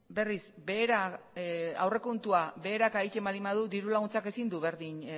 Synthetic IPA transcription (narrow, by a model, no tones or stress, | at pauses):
be̞risbeːɾa | awre̞kunt̪uaβe̞ːɾakaijc̪emalimað̞ud̪iɾulaɣunt͡sake̞sind̪uβe̞ɾðin